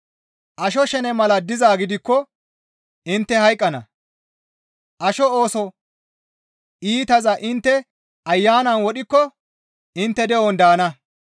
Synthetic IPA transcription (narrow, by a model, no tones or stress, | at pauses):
ʔɐʃɔʃɛnɛmɐlɐd̪ɪzaːɡɪd̪ɪkːɔ | ɪnt̪ːɛhɐjkʼːɐnɐ̰ | ʔɐʃɔo̞ːsɔ | ʔiːt̪ɐzɐʔɪnt̪ːɛ | ʔɐjːaːnɐnwɔɗɪkːɔ | ɪnt̪ːɛd̪ɛɔnd̪aːnɐ